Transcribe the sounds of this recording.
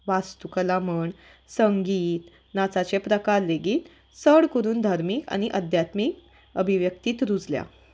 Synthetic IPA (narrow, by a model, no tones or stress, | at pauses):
ʋast̪ukəlaməɳ | səŋɡiːt̪ | nat͡sat͡ɕepɾəkaɾleɡiːt̪ | səɽkəɾuːnd̪ʱaɾmiːka̰ɽ̃iʔəd̪ʱjat̪miːk | əbʱiʋjəkt̪iːt̪ɾud͡zlja̰